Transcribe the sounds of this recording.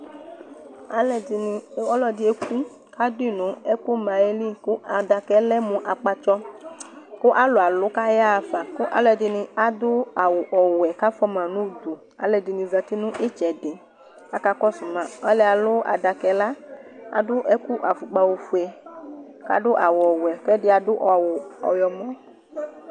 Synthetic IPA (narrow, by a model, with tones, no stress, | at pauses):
a˦lɛ˨dɪ˧nɪ˧˦ɔ˦lɔ˨dɪ˨˦e˦ku˦ | ka˦di˦˨nʊ̃˨˦ɛ˦ku˦mã˨e˦li˦˨kʊ˦a˨da˨kɛ˨˦lɛ˦mũ˨ʔa˨k͡pa˧t͡ʃɔ˦ | kʊ˦ʔa˦lʊ˨a˨lʊ˦ka˦ja˦˨fa˨kʊ˦ʔa̰˨˦lɔ˨dɪ˨nɪ̃˧a˦d̪ʊ˦a˨wʊ˨ʔɔ˨wwɛ˨ka˦fɔ˦mã˨nũ˦du˨ | a̰˦lɛ˧dɪ˨nĩ˧za˨t̪i˦nʊ̃˦ʔɪ˦t͡ʃɛ˨dɪ˨ | a˦ka˦kɔ˦sʊ˨mã˨ɔ˦lɛ˦a˨lʊ˦a̰˨da˨kɛ˨˦la˦a̰˨dʊ˦ʔɛ˦ku˦ʔa˨fu˨ɡ͡ba˧wo˧fu˨ɛ˨ | ka̰˦dʊ˦ʔa˨wʊ˨ɔ˨wɛ˨kɛ˦dɪ˦a˨dʊ˦ʔɔ˨wʊ˨ɔ̰˨jɔ˨mɔ̃˦